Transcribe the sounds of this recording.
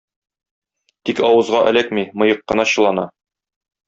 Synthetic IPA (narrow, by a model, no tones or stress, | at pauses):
t̪ikɒwɤ̆zʁɑʔæ̰̆lækmimɤ̆jɤqːɤ̆nɑɕɤ̆lˠɑnɑ̰